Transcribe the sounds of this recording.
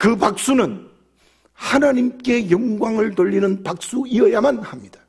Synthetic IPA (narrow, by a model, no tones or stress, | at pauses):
kɯpak̚s͈unɯn | hanaɲimk͈e̞jʌŋɡwaŋɯɭtoʎːinɯnpak̚s͈uiʌjamanhamɲid̥ḁ